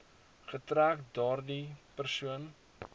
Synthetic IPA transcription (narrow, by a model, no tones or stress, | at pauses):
χətɾæːkdɑːrdipərsuən